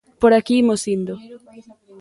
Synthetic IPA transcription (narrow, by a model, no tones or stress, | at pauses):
poɾakimosind̪o